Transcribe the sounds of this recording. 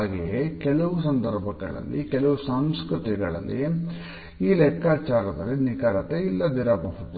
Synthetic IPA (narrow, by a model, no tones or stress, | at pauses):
ɡijekɛɭɐʋus̬ɐnd̪ɐɾbʱɐɡɐ̰ɭɐ̰lːikɛlɐʋusaːmskɾɨt̪iɡɐɭɐ̰lːḭ | iːlɛkːaːt͡ʃaːɾɐd̪ɐlːinikaːɾɐt̪eilːɐd̪iɾaːbɐɦɐt̪ː